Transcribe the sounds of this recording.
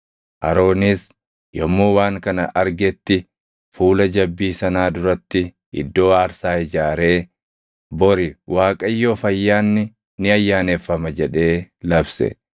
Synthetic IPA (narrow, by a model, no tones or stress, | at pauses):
ʔɐ̰ɾo̞ːniːs | jɔmːoːwaːŋkɐnɐʔɐɾɡɛt̪ːɪ | fuːlɐd͡ʒɐbːiːsɐnaːd̪ʊɾɐt̪ːɪ | ɪ̰d̪ːo̞ːaːɾsaːhɪd͡ʒaːɾe̞ː | bɔɾɪwaːkʼɐjːoːfɐjːaːnːɪ | nɪɐjːaːnefːɐmɐd͡ʒɛᶑe̞ːlɐbsɛ̰